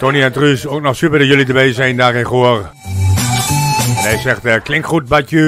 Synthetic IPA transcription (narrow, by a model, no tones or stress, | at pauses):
toniɛntrysoːknɔχsypədɔjølidəbɛjzɛjndaːrɪnχoər | ɦɛjsɛxtəklɪŋktχut̚batjy